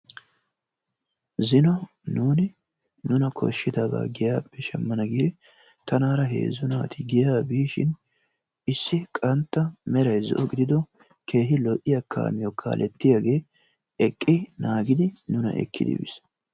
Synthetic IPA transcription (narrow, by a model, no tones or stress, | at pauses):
zɪnɔ | nuːnɪ | nʊnɐkʰɔ̰ʃːɪd̪aːba̰ːɡɪjaːpːɛʃɛmːɐnɐɡiːɾɪ | t̪ɐnaːɾɐɦḛːzːʊnaːt̪ɪɡɪjaːbiːʃɪ̰n | ɪsːɪkʼɐnt̪ːɐmɛɾɐjzɔ̰ʔɔɡɪd̪ɪd̪ɔ | kʰe̞ːɦɪlɔʔɪjɐkʰa̰ːmɪjɔkʰa̰ːlʔɛt̪ːɪjaːɡe̞ː | ɛkʼːɪnaːɡɪd̪ɪnʊnɐ̰ʔɛ̰kʰːɪ̰d̪ɪ̰bɪ̰s